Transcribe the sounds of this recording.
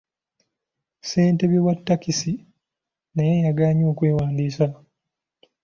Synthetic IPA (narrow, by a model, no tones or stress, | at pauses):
se̞ːnteβiwatːakisi | najejaɡaːɲo̞ːkwe̞ːwaːndiːsa